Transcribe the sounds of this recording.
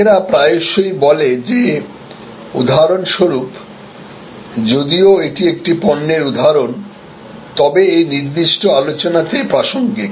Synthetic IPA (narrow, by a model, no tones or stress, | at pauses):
ɾapɾaeoʃojbɔled͡ʑe | ṵd̪ʱaɾonʃoɾup | d͡ʑod̪ioeʈiek̚ʈipɔnːeɾud̪ʱaɾon | t̪ɔbeejniɾd̪iʃʈoalot͡ɕonat̪epɾaʃoŋɡi